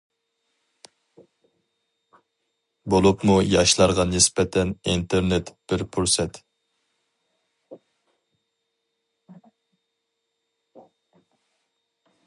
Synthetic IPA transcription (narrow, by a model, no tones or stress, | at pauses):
bolˠupmujɑʃlˠɑɾʁɑnːɪspɛt̪ʰɛnint̪ʰeɾnet̪b̥ɪɾpʰuɾsɛt̪